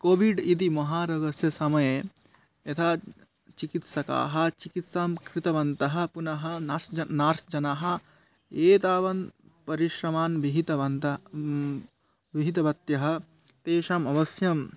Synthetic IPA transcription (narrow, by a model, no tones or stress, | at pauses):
koːʋiɖid̪imɐɦaːɾɐɡɐsjɐsɐmɐje | jɐt̪ʰaː | t͡ʃikit̪sɐka̰ːɦɐ̆t͡ʃikit̪saːmkʰɾit̪ɐʋɐnt̪ɐɦɐ̆punɐɦɐsɐnaːɾsd͡ʒɐnaːɦɐ̆ | eːt̪aːʋɐn | pɐɾiʃɾɐmaːnʋiɦit̪ɐɐnt̪ɐ | ʋiɦit̪ɐbɐt̪jɐɦɐ̆ | t̪eːʃamɐʋɐsjɐm